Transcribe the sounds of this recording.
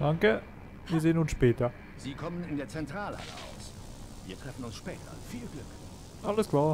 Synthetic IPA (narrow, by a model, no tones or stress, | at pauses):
d̥aŋkə | viːɐzeːənʊnsʃpɛːtɐ | z̥iːkʰɔmənɪndeːɐt͡sɛntʁ̥aːlha̰lə̰ʔa̰ʊs | viːɐtʁ̥ɛfn̩ʊnsʃpɛːtʰɐ̰fiːlɡlʏk | ʔaləskʰl̥aː